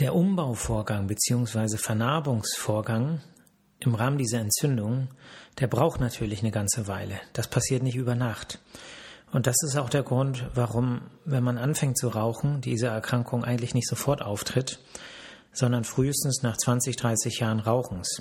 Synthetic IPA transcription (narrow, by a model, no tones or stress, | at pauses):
d̥eːɐʔʊmbaʊfoːɐɡaŋbət͡siːʊŋsv̥aɪzəfɛɐnaɐbʊŋsfoːɐɡaŋ | ʔɪmʁaːməndiːzɐɛntt͡sʏndʊŋd̥eːɐbʁaʊxtnatʰyːɐlɪçnəɡant͡səvaɪləd̥aspʰasiːɐtnɪçtʔyːbɐnaχt | ʔʊntd̥asɪstaʊxd̥eːɐɡʁʊntv̥aʁʊmvɛnmanʔanfɛŋtt͡suʁaʊxn̩diːzɐɛɐkʁ̥aŋkʰʊŋʔaɪŋ̩tlɪçnɪçtz̥ofɔɐtʔaʊftʁ̥ɪt | z̥ɔndɐnfʁ̥yːəstn̩snaːχt͡sv̥ant͡sɪçd̥ʁaɪsɪçjaːʁənʁaʊxn̩s